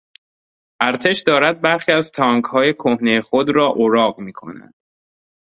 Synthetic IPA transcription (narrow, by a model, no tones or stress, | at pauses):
ʔæɾt̪ʰe̞ʃd̪ɒːɾæd̪̚bæɾxiːæzt̪ʰɒːŋkhɒːje̞kʰohnejexod̪ɾɒːʔoɾɒːɢmiːkʰo̞̰næ̰nd̪̥